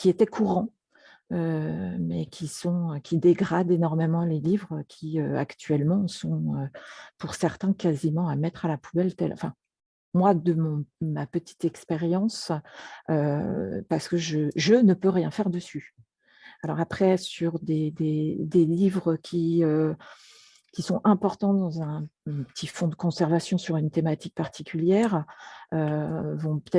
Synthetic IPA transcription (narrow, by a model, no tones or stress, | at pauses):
kʲiet̪ɛkʰuʁɑ̃ | ømɛkʲʰisɔ̃økʲʰid̪eɡʁad̪enɔʁmemɑ̃lelivʁəkʲʰiøa̰kt̪ɥɛlmɑ̃sɔ̃øpuʁsɛʁt̪ɛ̃kazimɑ̃amɛt̪χalapubɛlt̪ɛ̰lɑ̰̃fɛ̃ | mwad̪əmɔ̃mapət̪ʰi̥t̪ɛkspeʁjɑ̃s | øpaʁsə̥kəʒəʒənəpøʁjɛ̃fɛʁd̪əsy | alɔ̰ʁapχɛsyʁd̪ed̪ed̪elivʁəkʲʰiø | kʲisɔ̃ʔɛ̃pɔʁt̪ɑ̃d̪ɑ̃zɛ̃pə̥t̪ʰifɔ̃d̪əkɔ̃sɛʁvasjɔ̃syʁynt̪emat̪ik̚paʁt̪ʰikʲʰyljɛʁøvɔ̃pə̥t̪ɛ